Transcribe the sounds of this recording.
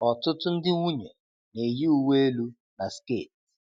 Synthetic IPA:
ɔ˨tʊ˦tʊ˦n̩˦dɪ˦ŋʷu˦ɲe˨ | ne˨ji˦u˦we˦e˦lu˦ | na˨skḛ˦˨t̚

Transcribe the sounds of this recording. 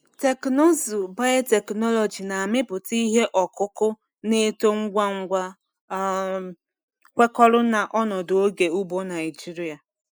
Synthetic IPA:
te˨knɔ˦zu˨ba˦e˦te˨knɔ˦lɔ˨d͡ʒi˨na˨a˨mɪ˦pʊ˨ti˦ɦe˦ʔɔ˨kʊ˦kʊ˦ | ne˦to˦ŋ̩˦ɡʷa˦ŋ̩˦ɡʷa˦ | kʷe˦kɔ˦ɾʊ˦na˨ʔɔ˦nɔ˨do˨o˦ɡe˨u˦bo˦na˨jɪ˨d͡ʒi˦ɾi˦a˨

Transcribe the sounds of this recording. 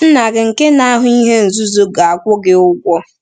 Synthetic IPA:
n̩˦na˨ɡɪ˨ŋ̩˨ke˦na˦ɦʊ˦i˦ɦe˦n̩˨zʊ˦zu˦ɡa˨a˨kʷʊ˦ɡɪ˦ʊ˦ɡʷɔ˦

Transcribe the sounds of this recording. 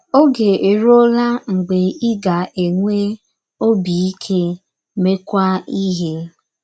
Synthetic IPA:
o˦ɡe˨e˨ɾo˦la˦ŋ͡m̩˨ɡ͡be˨i˦ɡa˨ʔe˨ŋʷe˦ | o˦bi˨i˦kʰe˦ | me˦kʷa˦i˦ɦe˦

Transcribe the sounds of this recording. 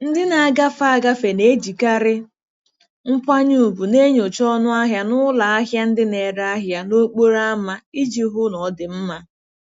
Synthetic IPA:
n̩˦dɪ˦na˨a˦˨ɡa˦fa˦a˦˨ɡa˦fe˨ne˦d͡ʒi˨ka˦ɾɪ˦ | ŋ͡m̩˦pʷa˦ɲu˦u˨bu˨ne˦ɲo˨t͡ʃɔ˦nʊ˦a˦ɦja˨nʊ˦la˨a˦ɦja˦n̩˦dɪ˦ne˨ɾa˦ɦja˨no˦k͡po˦ɾa˦ma˦i˦d͡ʒi˨ɦʊ˦nɔ˨˦dɪ˨m̩˦ma˦

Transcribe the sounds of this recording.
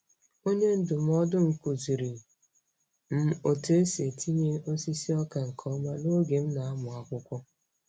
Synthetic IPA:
o˦ɲe˦n̩˨dʊ˨m̩˦ɔ˦dʊ˦ŋ̩˨ku˨zi˨ɾi˨ | m̩˦o˨te˦e˦se˨tʰi˦ɲe˦o˦si˦si˦ɔ˦ka˨ŋ̩˨kʰɔ˦ma˦no˦ɡe˨m̩˦na˨a˦mʊ˨a˨kʷʊ˦kʷɔ˦

